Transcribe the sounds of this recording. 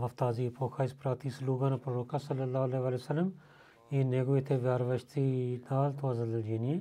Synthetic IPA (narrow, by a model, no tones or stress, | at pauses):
məft̪aːziːpoːkʰaːɪspɾaːt̪iːsluːɡãːnãpɾoːɾoːkãːsəlːəlːaːɦleːʋaːlesəlːəm | eːneːɡoːɪt̪ʰeːʋjaːɾʋəʃt̪ʰiːd̪aːlt̪õaːzəd̪əld͡ʒeːnĩː